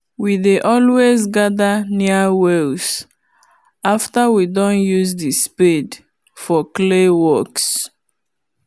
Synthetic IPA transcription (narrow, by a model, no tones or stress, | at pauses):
wideʔɔlwezɡaðaniawɛls | aftawidɔ̃njuzdispid | fɔklewɔks